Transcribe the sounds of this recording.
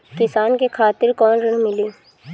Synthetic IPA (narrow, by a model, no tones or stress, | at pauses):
kɪsaːnkekʰaːt̪ɪɾkɔːnɾɐɽ̃mɪliː